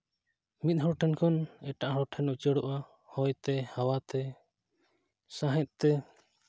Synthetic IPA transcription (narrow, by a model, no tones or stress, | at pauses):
mit̪̚ˀɦɔɾʈʰɛnkʰɔnɛʈaʔɦɔɾɔʈʰɛnut͡ʃəɽɔʔa | hɔjt̪ɛhawat̪ɛ | sãɦɛ̃t̪̚t̪ɛ